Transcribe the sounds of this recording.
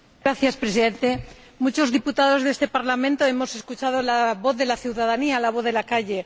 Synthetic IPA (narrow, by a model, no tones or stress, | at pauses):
ɡɾaθjaspɾe̞s̬iðe̞nt̪e̞ | mut͡ʃozðiput̪aðo̞zðe̞st̪e̞paɾlamẽnt̪o̞e̞mo̞se̞skut͡ʃaðolaβoθðelaθjuwðaðanialaβ̞o̞θðe̞lakaʝe̞